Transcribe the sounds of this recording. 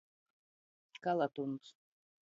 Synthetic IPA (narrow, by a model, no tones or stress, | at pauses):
kalˠat̪uns